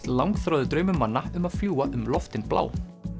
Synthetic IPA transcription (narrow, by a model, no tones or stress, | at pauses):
t̪lawŋkθɾɔːðʏt̪ɾœːɥmʏmanːaʏmað̥fljuːwaʔʏmlɔft̪ɪnplʔa̰ːw